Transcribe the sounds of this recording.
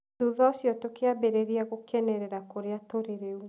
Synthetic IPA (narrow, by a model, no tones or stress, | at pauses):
uðɔsjɔtokeabeɾeɾiaɣokɛnɛɾɛɾakoɾeatoɾeɾeu